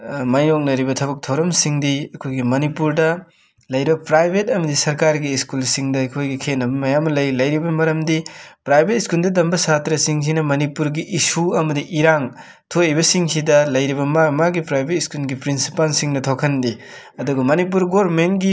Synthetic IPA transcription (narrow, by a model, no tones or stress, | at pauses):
majnok̚nɐɾibɐtʰɐβɐk̚tʰoɾɐmsiŋdiɐkʰojɡimɐnipuɾdɐ | lɐjɾibɐpɾajbʱetɐmɐdisɐɾkaɾɡiːskulsiŋdɐɐkʰojɡikʰenːɐbɐmɐjamɐlɐjlɐjɾibɐmɐɾɐmdipɾajbʱet̚iskuldɐdɐmbɐsatɾɐsiŋs̬inɐmɐnipuɾɡiʔisuɐmɐdiʔiɾaŋ | tʰoibɐsiŋsidɐlɐjɾiβɐmamaɡipɾajbʱet̚iskulɡipɾinsipalsiŋnɐtʰokʰɐndi | ɐduɡɐmɐnip̬uɾɡoɾmentɡi